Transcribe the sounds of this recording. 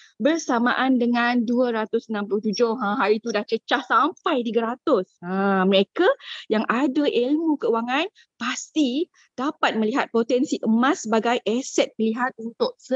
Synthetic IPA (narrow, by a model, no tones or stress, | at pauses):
bərsamaʔandəŋãnduəɾat̪ʊsənãmplʊht̪ud͡ʒʊhãɦaɾit̪udaht͡ʃət͡ʃahsampajt̪iɡaɾat̪ʊsãməɾekajaŋʔadaʔelmũkəuwaŋãn | past̪i | d̥apat̪̚mə̃liɦat̪̚pot̪ɛnsiʔəmãsːəbaɡajʔɛsɛt̪̚pəliɦat̪̚unt̪ʊʔ̚sə